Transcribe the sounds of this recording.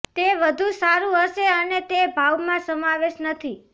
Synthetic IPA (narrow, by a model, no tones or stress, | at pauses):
t̪eʋəd̪ʱũsaɾũɦəʃeənet̪ebʱawmãsəmaʋeʃnət̪ʰi